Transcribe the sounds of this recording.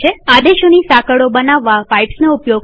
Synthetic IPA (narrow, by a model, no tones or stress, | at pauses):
ead̪eʃonisakəɽobənaʋːapajʈsnoupjoɡ